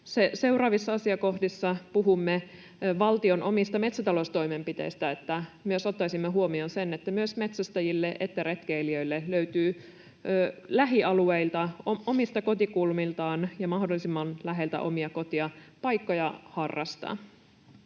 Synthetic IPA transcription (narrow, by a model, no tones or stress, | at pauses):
sese̞urɑːʋisːɑɑsiɑko̞hdisːɑpuɦumːe | ʋɑlt̪io̞nʔo̞mist̪ɑme̞t̪sæt̪ɑlost̪o̞imempit̪e̞̰ist̪æet̪ːæmyøso̞t̪ːɑisimːeɦuo̞mio̞nse̞net̪ːæmyøsme̞t̪sæst̪æjilːeʔet̪ːæɾet̪k̟eiliø̞jlːeløyt̪yː | læɦiɑlueilt̪ɑoo̞mist̪ɑko̞t̪ikulmilt̪ɑːnjɑmɑhdolːˑisimːɑnlæɦe̞lt̪æ̰ʔo̞miɑko̞t̪iɑpɑjkːo̞jɑhɑrːɑ̰st̪ɑ̰